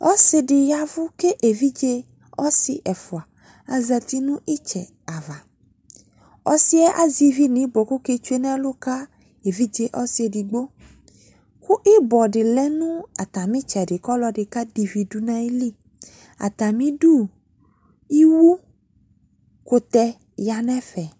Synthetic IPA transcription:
ɔ˦sɪ˨ɖɪ˨ja˦vʊ˦ke˦ʔe˨vi˦d͡ʒe˦ | ɔ˦sɪ˨ʔɛ˨fu˨a˨ | a˨zɛ˨t̪i˦nũ˦ʔi˦t͡ʃɛ˨ | a˨va˨ | ɔ̰˦si˦ɛ˦ʔa˨zi˨vi˦nĩ˨˦bɔ˨ko˦ke˦t͡ʃu˦e˦nɛ̃˦lo˦ka˦ | e˨vi˦d͡ʒe˦ʔɔ˦si˨e˨di˨ɡ͡bo˦ | ku˦ʔi˦bɔ˨ɖɪ˨lɛ˦nũ˦a˨t̪a˨mĩ˦t͡ʃɛ˨dɪ˨kɔ˦lɔ˦ɖɪ˨ka˦di˨vi˨du˦nã˦i˦li˦ | a̰˨t̪a˨mĩ˦ɖu˦ | i˦wu˦ | ko˨t̪ɛ˦ | ja˨nɛ̃˦fɛ˨

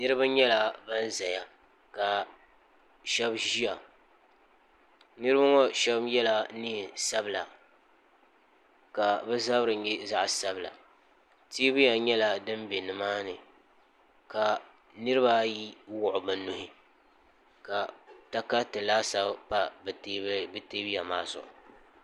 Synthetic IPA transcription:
nɨ˦ɾɨ˦ba˦ɲɛ˦la˨ba˦n˦za˨ja˦ | ka˨ | ʃɛ˦bʒi˦a˨ | nɨ˦ɾɨ˦ba˦ŋɔ˦ʃɛ˦bmjɛ˦la˨ni˦˨sa˦bɨ˨la̰˨ | ka˨bɛ˦za˦bɾɨ˨˦jɛ˦za˦ʔsa˦bla̰˨ | ti˦bɨ˦ja˨ɲɛ˦la˨dɨ˦mbe˨nɨ˨maː˦nɨ˨ | ka˨ | nɨ˦ɾɨ˦ba˦ji˦wʊ˨ʔʊ˨bɨ˨nʊ˦hɪ˦ | ka˨ta˦ka˦tɨ˨laː˦sa˦bpa˦bbɨ˨te˦bi˦ja˨ma̰ː˦zʊ̰˨ʔʊ̰˨

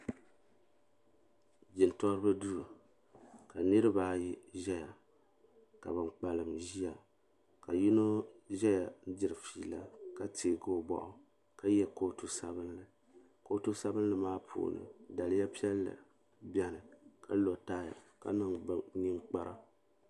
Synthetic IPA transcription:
d͡ʒɪ˨ntɔ˦ɾɨ˦bɨ˦du˦ɾu˨ | ka˨nɨ˦ɾɨ˦baː˦ji˦ʒɛ˦ja˨ | ka̰˨bɨ˨ŋ͡mk͡pa˨lɨ˨mʒi˦ja˨ | ka˨ji˦no˦ʒɛ˦ja˨n̩˦d͡ʒɪ˦ɾɨ˨fiː˦˨la˦ka˦tʰeː˨ɡo˦˨bɔ̰˨ʔʊ˨ | ka˦jɛ˦ko˦tu˦sa˦bɨ˦nlɨ˨ | ko˦tu˦sa˦bɨ˦n˦lɨ˦maː˦pʰṵ˨nɨ̰˨da˨lɨ˦ja˦pi˦ɛ˦lːɨ̰˨ | bɛ˦nɨ˨kʰa˦lo˨taː˦ja̰˨ka̰˦nɨ˦ŋ˨ni˦ŋ͡mk͡pa˦ɾa˦

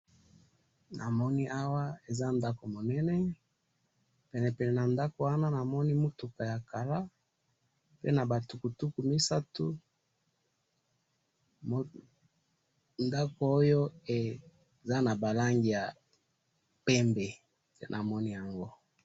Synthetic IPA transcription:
nʔa˨mɔ˦ni˦ʔa˦wa˦e˨za˦nda˦ko˨mo˨nɛ˦nɛ˦ | pɛ˨nɛ˨pɛ˨nɛ˨na˨nda˦ko˨wa˦na˦na˨mɔ˦ni˦mo˦tu˨ka˨ja˨ka˨la˦ | pe˦na˨ba˨tu˨ku˨tu˦ku˨mi˦sa˦tu˦ | nda˦ko˨o˦jo˦e˨ | za˦na˨ba˨la˦ŋɡi˨ja˨ | pɛ˦mbe˨ | nʔa˨mɔ˦ni˦ja˨ŋɡo˦

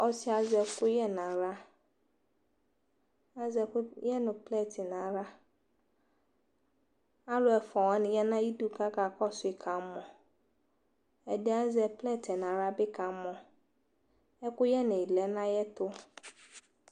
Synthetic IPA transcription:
ɔ˦sɪ˦a˨zɛ˨kʰʊ˦jɛ˦nã˨ɾa˦ | a˦zɛ˨kʊ˦jɛ˦nʊ̃˨plɛ˦˨tʰɪ˨nã˨ɾa˦ | a˦lʊ˨ɛ˨fɔ˨wa˦nɪ̃˨jɛ˦nã˦ji˦du˨kʰa˦ka˨kʰɔ˦sʊ˨ɪ˨kʰã˨˦mɔ̃˨ | ɛ˨dɪ˦a˦zɛ˨plɛ˦˨tʰɛ˨nã˨ɾa˦bɪ˦kʰã˨˦mɔ̃˨ | ɛ˦kʊ˦jɛ˦nʊ̃˨i˨lɛ˦nã˦jɛ˦tʊ˦

